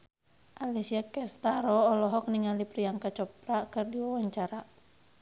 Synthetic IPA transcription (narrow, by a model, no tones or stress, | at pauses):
ʔalisiakɛst̪aɾɔːlɔɦɔk̚niŋalipɾiaŋkat͡ʃɔp̚ɾakɨrdiwawaɲt͡ʃaɾa